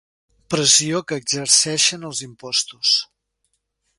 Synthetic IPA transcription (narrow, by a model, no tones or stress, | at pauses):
pɾəziokəːɡzəɾsɛʃənəlˠzimpɔst̪us